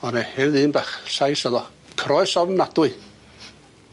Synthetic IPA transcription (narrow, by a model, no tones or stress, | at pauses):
ɔnɛhɛðɨːnbaχɬajsəðɔ | kʰɾɔɨsɔvnnadʊɨ